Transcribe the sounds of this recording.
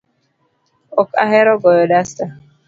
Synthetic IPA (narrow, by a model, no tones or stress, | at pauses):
ɔka̰ɦɛɾɔɡɔjɔdasta